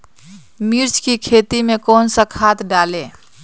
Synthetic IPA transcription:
miɾt͡ʃʰkikʰet̪imekonsə̃kʰat̪ɖale

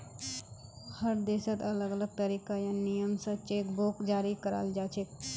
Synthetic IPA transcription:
həɾd̪eːsət̪ələɡələɡ̚t̪əɾiːkajanijəmsə̃t͡ʃeːkbokd͡ʒaːɾikəɾa̰ld͡ʒaːt͡ʃʰek

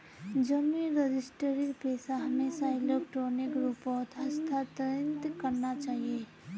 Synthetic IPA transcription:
d͡ʒəmĩɾed͡ʒɪsʈəɾiɾpeːsaɦɐmeːsaɪlokʈoːnekɾupɔt̪əst̪ʰat̪ɾɪnt̪kəɾnat͡ʃaːɦie

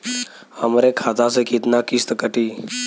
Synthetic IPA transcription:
amɾekʰat̪asekit̪nakist̪əkəʈiː

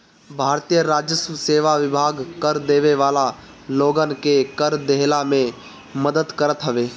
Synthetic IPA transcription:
bʱaːɾt̪ijəɾaːd͡ʒəsuseːʋaʋɪbʱaːɡkəɾd̪eːʋeʋaːla | loːɡənkekəɾd̪eɦlamẽ | məd̪əd̪kəɾət̪ɦəʋeː

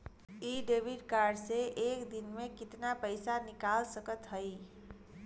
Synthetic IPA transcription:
iɖebiɖkaɾɖseʔekd̪inmekit̪napəɪsanikalsəkət̪ɦəj

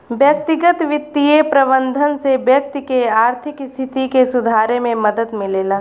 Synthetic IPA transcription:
bjɐk̚t̪ɪɡət̪ʋɪt̪ːijepɾɐbə̃nd̪ʱənsebjək̚t̪keaːɾt̪ʰɪkɪst̪ʰɪt̪ikesʊd̪ʱaːɾemẽmɐd̪əd̪mɪleːlaː

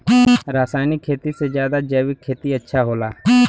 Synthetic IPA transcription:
ɾaːsaːjnɪkʰːeːt̪ised͡ʒjaːd̪ad͡ʒɛːʋɪkʰːeːt̪iətːʃʰaɦoːlaː

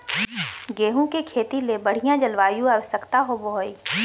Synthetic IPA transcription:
ɡeːɦũkekʰeːt̪ilebɐɽ̤ijãd͡ʒɐlʋaːjũaːʋəʃəkt̪aɦoboɦoi

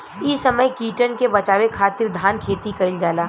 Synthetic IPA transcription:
isɐməjkiːʈənkebɐt͡ʃaːwekʰaːt̪ɪɾd̪ʱaːnkʰeːt̪ikɐɪld͡ʒaːlaː

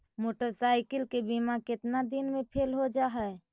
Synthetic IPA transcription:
moːʈəɾsaːɪkəlkebimakɪt̪nad̪inmẽpʰeːlɦod͡ʒaɦɛɛ

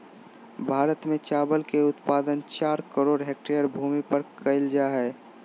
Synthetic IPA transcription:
bʱaːɾət̪mẽt͡ʃaːbəlkeʊt̪paːd̪ənt͡ʃaːɾkəɾoːɖɦek̚ʈeəɾbʱuːmipəɾkəɪld͡ʒaɦɛː

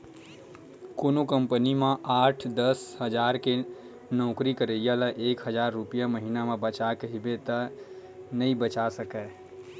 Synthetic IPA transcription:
koːnokəmpənimẽʔaːʈʰd̪əsɦəd͡ʒaɾke | nɔʊkɾikəɾəjaləʔeːkɦəd͡ʒaɾːupijaməɦinamẽbət͡ʃakəɦibet̪ə | nəĩbət͡ʃasəkɛ

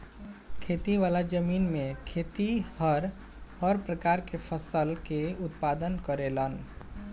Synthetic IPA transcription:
kʰet̪iʋalad͡ʒəmiːnmekʰet̪ihəɾ | hɔɾpɾəkaɾkepʰəsəlkeʊt̪pad̪ənkəɾelən

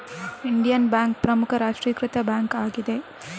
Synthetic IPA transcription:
iɳɖijɐnbaːŋk̚pɾɐmukʰɐɾaːʂʈɾiːkɾɪt̪ɐbaːŋkaːɡid̪e

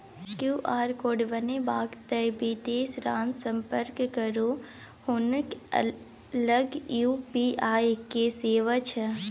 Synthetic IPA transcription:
kjuːʔaːɾkoːɖbənebaːɡt̪əjbid̪eːsɾãːnsə̃mpəɾkːəɾo | hʊnk | ləɡjuːpiːʔaːjkeseːʋət͡ʃʰə

